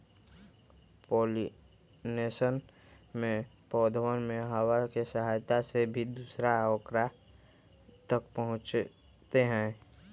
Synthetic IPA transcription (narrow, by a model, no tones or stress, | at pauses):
poːli | neːʃən | mẽ | pɔːd̪ʱwənmẽɦəwakesəɦaːjt̪asebʱid̪uːsɾaɔːkɾa | t̪əkpəɦʊ̃t͡ʃ | t̪eɦɛ̃ː